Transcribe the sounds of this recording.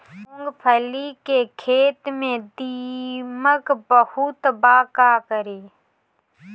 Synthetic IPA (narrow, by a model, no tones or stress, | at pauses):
õːŋɡpʰəlikekʰeːt̪mẽd̪iməkbəhut̪baːkakəɾeː